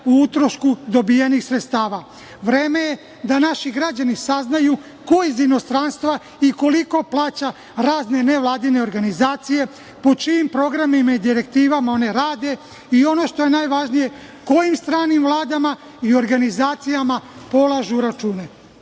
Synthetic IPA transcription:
uut̪ɾoʃkud̪o̞bijenixsɾet̪st̪aːʋa | ʋɾeːme̞je | d̪anaʃiɡɾad͡ʑanisaznaju | ko̞jizino̞st̪ɾanst̪ʋa | iko̞liko̞plˠaːt͡ɕa | ɾaːzne̞ne̞ʋlˠaːd̪ine̞o̞ɾɡanizaːt̪sije̞ | po̞t͡ʃiːmpɾo̞ɡɾamimaid̪iɾe̞k̚t̪iːʋamao̞ne̞ɾaːd̪e̞ | io̞no̞ʃt̪o̞je̞naːjʋaʒnije̞ | ko̞jimst̪ɾaːnimvlˠaːd̪ama | io̞ɾɡanizaːt̪sijamapo̞lˠaʒuɾat͡ʃuːne̞

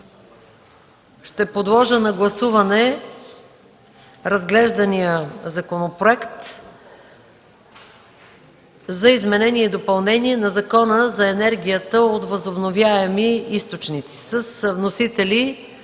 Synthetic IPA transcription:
ʃt̪ɛpod̪lˠɔʒənɐɡlˠɐsuvɐnɛ | ɾɐzɡlɛʒd̪ɐnijəzɐkonopɾoɛkt̪ | zɐizmɛnɛnʲiɛid̪opɐlˠnɛniɛnɐzɐkɔnəzɐɛnɛɾɡʲijət̪əot̪vəzobnovjaɛmiist̪ot͡ʃnit̪si̥səsvnosit̪ɛli

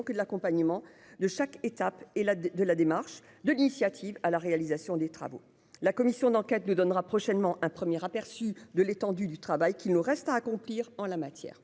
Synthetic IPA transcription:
kəd̪əlakɔ̃paɲəmɑ̃ | d̪əʃaket̪apelad̪əlad̪emaʁʃ | d̪əlinisjat̪ʰivalaʁealizasjɔ̃d̪et̪χa̰vo̰ | lakɔmisjɔ̃d̪ɑ̃kʲɛt̪nud̪ɔnʁapχɔʃɛnmɑ̃ʔɛ̃pχəmjɛʁapɛʁsyd̪əlet̪ɑ̃d̪yd̪yt̪χavajkʲilnuʁɛst̪aːkɔ̃pliʁɑ̃lamat̪jɛ̰ːʁ

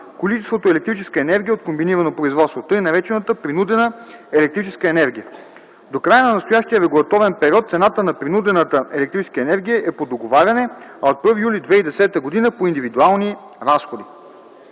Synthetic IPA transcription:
kolit͡ʃɛst̪vot̪oɛlɛkt̪ɾit͡ʃɛskəɛnɛɾɡʲijəot̪̚kombiniɾənopɾoizvɔt̪st̪vot̪ɤjnɐɾɛt͡ʃɛnət̪əpɾinud̪ɛnəɛlɛk̚t̪ɾit͡ʃɛskəɛnɛɾɡʲijə | d̪okɾajənɐnɐst̪ojaʃt̪iəɾɛɡulˠɐt̪ɔvɛnpɛɾʲiɔt̪t̪sɛnat̪ənɐpɾinud̪ɛnət̪əɛlɛkt̪ɾit͡ʃɛ̥skəɛnɛɾɡ̟ʲijəʔɛpod̪oɡovaɾʲɐnɛɐot̪̚pɤɾvijulid̪vɛid̪ɛsɛt̪əɡod̪inəpoind̪ivid̪ualˠni | ɾasxod̪i

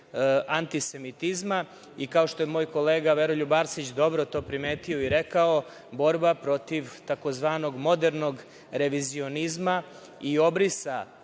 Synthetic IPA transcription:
ʔant̪ise̞mit̪izma | ikaoʃt̪o̞jemoːjko̞leːɡaʋeɾoʎubaɾsit͡ɕd̪o̞bɾo̞t̪o̞ːpɾimeːt̪io̞iɾe̞kao̞ | bo̞ɾbapɾo̞t̪iʋt̪ako̞zʋaːno̞ɡmo̞d̪eɾno̞ɡ | ɾe̞ʋizio̞nizma | io̞bɾisa

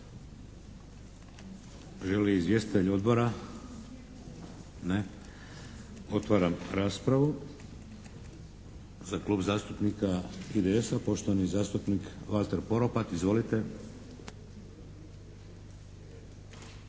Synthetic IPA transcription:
ʒeliizʋje̞st̪i̥t̪eʎo̞d̪bo̞ɾa | ne | o̞t̪ʋaːɾamɾaːspɾaʋu | zakluːbzaːst̪upnikaid̪eesapo̞ʃt̪oʋanizaːst̪upnikʋalt̪e̞ɾpo̞ɾo̞pat̪izʋo̞lit̪e̞

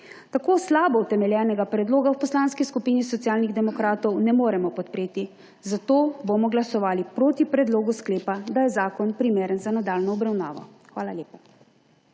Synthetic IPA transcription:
t̪akoːslaːbɔut̪ɛmɛljɛːnɛɡapɾɛd̪loːɡawpɔslaːnskiskupiːnisɔt̪sijaːlniɣd̪ɛmɔkɾaːt̪ɔwnɛmoːɾɛmɔpɔt̪̚pɾeːt̪i | zat̪oːbomɔɡlasɔʋaːlipɾoːt̪ipɾɛd̪loːɡuskleːpad̪ajɛzaːkɔnpɾimeːɾənzanad̪aːlnɔɔbɾawnaːʋɔ̰ | xʋaːlaljeːpḁ

